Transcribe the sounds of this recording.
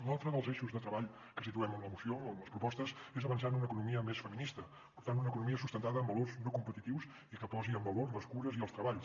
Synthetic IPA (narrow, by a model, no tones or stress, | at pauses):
lalˠt̪ɾəðəlˠzeʃuzðət̪ɾəβaʎ | kəsit̪uɛmənləmusioənləspɾupɔst̪əzezəβənsanunəːkunumiəmesfəminist̪ə | pəɾt̪anunəkunumiəsust̪ənt̪aðəːmbəlorznokumpət̪it̪iwz | ikəpɔziəmbəlorzləskuɾəziəlˠst̪ɾəβaʎs